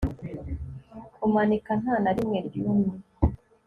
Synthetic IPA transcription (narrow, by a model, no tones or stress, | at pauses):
umanikan̥haːnaɾimŋeɾɟumi